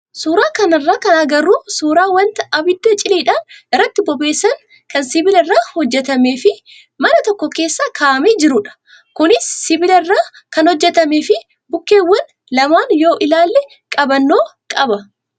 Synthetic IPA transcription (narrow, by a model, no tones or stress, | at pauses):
suːɾaːkɐnɐrːaːkɐnɐɡɐɾːuːsuːɾaːwɐnt̪ɐʔɐbɪd̪ːɐt͡ʃʼɪliːᶑaːnʔɪrːɐt̪ːɪbɔbe̞ːsːɐŋ | kɐnsɪbɪlɪrːaːhɔd͡ʒːɛt̪ɐme̞ːfɪ | mɐnɐt̪ɔkːɔke̞ːsːaːkʰaːʔɐmeːd͡ʒɪɾʊᶑɐ̥ | kʊnɪsːɪbɪlɪrːaː | kɐnhɔd͡ʒːɛt̪ɐmeːfɪ | bʊkːe̞ːwːɐn | lɐmaːnjo̞ːʔɪlaːlːɛ | kʼɐbɐnːo̞ːkʼɐbɐ